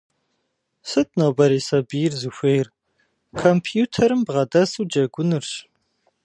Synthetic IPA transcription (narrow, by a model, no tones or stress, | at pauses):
sɨt̚ʰnowbɐɾiːsɐbiːrzɨxʷejr | kʰɐmpʰjuːtʰɐɾɨmbʁɐdɐsɨwd͡ʒɐɡʷʊnɨrɕ